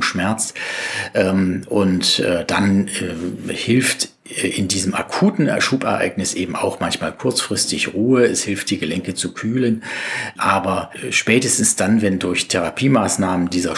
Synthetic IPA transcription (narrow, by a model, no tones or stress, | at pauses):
ʃmɛɐt͡sʔɛːmʔʊntɛːd̥anɛhɪlftː | ʔɪndiːzəmʔa̰kʰuːtn̩ɛ̰ɐʃuːpɛ̰ɐʔa̰ɪɡnɪsʔeːbm̩a̰ʊxmançmaːlkʰʊɐt͡sfʁ̥ɪstɪçʁuːəɛshɪlft̚d̥iːɡəlɛŋkət͡sukʰyːlənʔaːbɐʃpɛːtəstn̩sd̥anvɛndʊɐçtʰɛʁapʰiːmaːsnaːməndiːzɐ